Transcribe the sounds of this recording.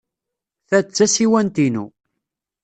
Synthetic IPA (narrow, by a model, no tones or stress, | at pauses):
θæt͡sːæsiwænt̪inṵ